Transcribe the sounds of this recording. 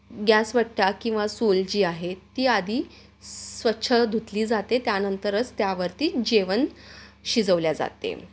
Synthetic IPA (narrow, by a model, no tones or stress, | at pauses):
ɡjasʋəʈʈakĩw̃ʋasold͡ʑiːaɦet̪ːiːad̪ʱiː | sʋətːɕʰəd̪ʱut̪liːd͡zat̪et̪janənt̪əɾət͡st̪jaʋəɾt̪iːd͡ʑeʋənɕid͡zəʋljad͡za̰t̪ḛ